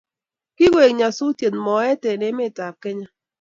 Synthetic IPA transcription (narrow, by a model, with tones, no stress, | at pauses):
kɪ˦ɡe˨kɲa˨sʊ˦tje˨nmɔ˨ɛ˦tɛ˨nɪ˦mɪ˦˨ta˨p̚kɛ˦ɲa˦